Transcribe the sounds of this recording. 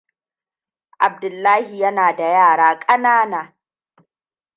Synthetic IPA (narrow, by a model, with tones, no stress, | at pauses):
ʔa˨b̚dʊ˨lːaː˦hi˨jɐ˦naː˨da˨jaː˦˨ɽaː˦kʼɐ˦naː˦naː˨